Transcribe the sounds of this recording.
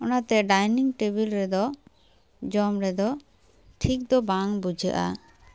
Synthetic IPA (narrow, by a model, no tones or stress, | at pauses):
ɔnat̪ɛɖajniŋʈebilɾɛd̪ɔ | d͡ʒɔmɾɛd̪ɔ | ʈʰik̚d̪ɔbaŋbud͡ʒə̰ʔa̰